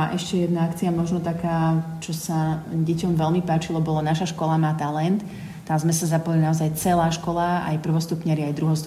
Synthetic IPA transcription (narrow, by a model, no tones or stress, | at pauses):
aʔɛʃcɛjɛd̪naakt͡siamɔʒnɔt̪akaːt͡ʃɔsaɟɛcɔmʋɛlmipaːt͡ʃilɔbɔlanaʃaʃkɔlamaːt̪alɛnt̪ː | amzmɛsazapɔjlinaɔzajt͡sɛlaːʃkɔlaa̰jpr̩ʋɔst̪upɲɛɾiajd̪ɾuɦɔst̪